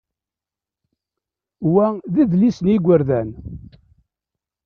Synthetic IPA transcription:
wæðiðlisəniɡʷəɾðæn

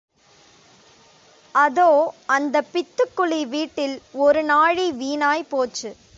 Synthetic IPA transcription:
ɐðoːɐnd̪ɐpːɪt̪ːɯkːʊɭiʋiːʈːɪlɔɾɯnaːɻiʋiːnaːjpoːt͡ʃːɯ

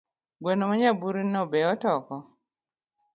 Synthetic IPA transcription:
ɡwɛnomaɲabuɾinɔbɛɔtɔkɔ

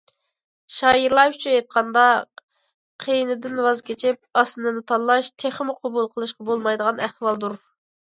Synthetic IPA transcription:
ʃɑːjiɾlˠɑjt͡ʃʰyet̪̚qʰɑnd̪ɑ | qʰejnɪd̪ɪnwɑzkʲet͡ʃʰɪp̚ɑsɨnɨnɨt̪ʰɑllːˠɑʃt̪ʰeχmɪqʰobulˠqʰəlˠɨʃqɑbolˠmɑjd̪əʁɑnæhwɑlˠd̪uɾ

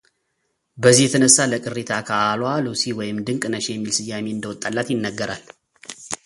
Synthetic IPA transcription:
bəzːihjɛt̪ʰənəsːaləkʼɨrːet̪ʰakʰaːlwalusiwɔjɪmd̪ɨŋkʼnəʃejɛmːilsɨjːameɨnd̪əwɔt̪ʼːalːat̪jɪnːəɡːəɾa̰l

